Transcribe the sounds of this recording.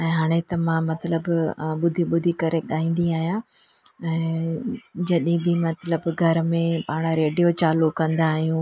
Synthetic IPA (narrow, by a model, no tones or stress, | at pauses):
ɛ̃ːɦaːɽ̃et̪ɐmãmɐt̪ləbɓʊd̪ʱiɓʊd̪ʱikɐɾeɗaːĩːn̆d̪iaːɦijã | ɛ̃ː | d͡ʑɐɗĩbɪmɐt̪ləbɡʱɐɾmẽpaːɽ̃ɾeːɖijot͡ɕaːlukɐ̃nd̪aːɦijũ